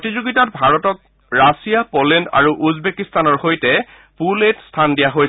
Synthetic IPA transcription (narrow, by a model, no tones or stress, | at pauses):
potizuɡitɔt̚bʱaɹɔtɔk̚ | ɹasijapolenda̰ɹuʔuzbekistanɔɹxojtɛ | puletstʰandijaɦoj